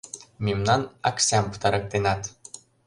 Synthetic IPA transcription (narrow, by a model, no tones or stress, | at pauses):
mʲimnanaksʲampt̪aɾək̚d̪enat̪